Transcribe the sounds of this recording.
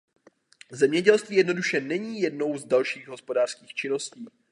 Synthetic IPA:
zɛmɲɛɟɛlst̪viːjɛdno̞duʃɛnɛɲiːjɛdno̞wzdalʃiːɣɦo̞spodaːr̥skiːxt͡ʃɪno̞sciː

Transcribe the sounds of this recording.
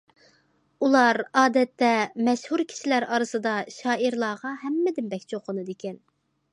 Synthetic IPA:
ulˠɑɾɑːd̪ɛt̪ːɛmɛʃhuɾkʲʰi̥ʃilæɾɑɾɨsɨd̪ɑʃɑːiɾlˠɑːʁɑɦɛmːɪd̪ɪnbɛkʲt͡ʃʰoqʰːənɨd̪ekʲɛn

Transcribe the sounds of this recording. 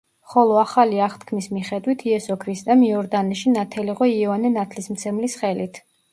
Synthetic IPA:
χɔlˠɔaχaliaχt̪ʰkʰmismiχɛd̪wit̪ʰiɛsɔkʰɾist̪ʼɛmiɔɾd̪anɛʃinat̪ʰɛliʁɔiɛvanɛnat̪ʰlismt̪sʰɛmlisχɛlit̪ʰ

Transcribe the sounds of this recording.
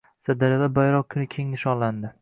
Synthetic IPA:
sad̪aɾjad̪abajɾɒqkʰʲʊnɪkʲʰeŋɪʃɒland̪ɪ

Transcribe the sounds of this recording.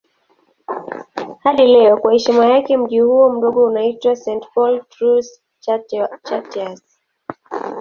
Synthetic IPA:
haɗilɛɔkwahɛʃimajakɛm̩ʄihuɔm̩ɗɔɠɔunaitwasɛntpɔltɾus | t͡ʃatas

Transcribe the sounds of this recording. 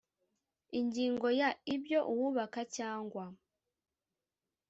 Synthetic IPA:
iɲɟiːŋɡo̞jaibjo̞ʔuwuβakacaːŋɡwa

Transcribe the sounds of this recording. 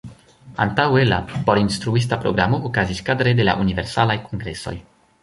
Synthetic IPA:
a̰nt̪awela̰poɾinst̪ɾuis̬t̪apɾoɡɾamookaziskad̪ɾed̪ela̰ʔuniveɾsalajkoŋɡɾeso̞̰j

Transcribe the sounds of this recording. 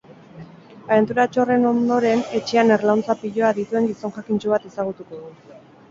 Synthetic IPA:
aβe̞nt̪uɾat͡ʃo̞re̞no̞nd̪o̞ɾe̞ne̞t͡ʃe̞ane̞ɾlawnt͡sapiʎo̞aðit̪ue̞ŋɡiso̞nʝakint͡ʃuβ̞at̪e̞saɣ̞ut̪uko̞ðu

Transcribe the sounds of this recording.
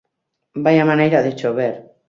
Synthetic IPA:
bajamãnajɾaʔðet͡ʃoβeɾ

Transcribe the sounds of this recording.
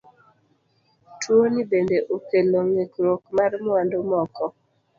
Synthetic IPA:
twonibendeʔokeloŋekɾokmarmwandomɔkɔ

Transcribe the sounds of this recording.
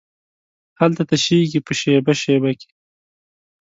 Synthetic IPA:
halt̪at̪aʃeɡipəʃebaʃebake̥

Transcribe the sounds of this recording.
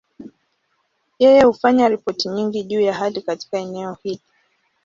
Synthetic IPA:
jɛjɛhufaɲaɾipɔtiɲiŋɡiʄuːjaɦalikati̥kaɛnɛɔhili

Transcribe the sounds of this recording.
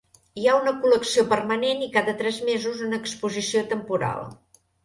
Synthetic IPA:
iaunəkuləksiopərmənenikaðət̪ɾɛzmezuzunəːkspuzisiot̪əmpuɾa̰lˠ

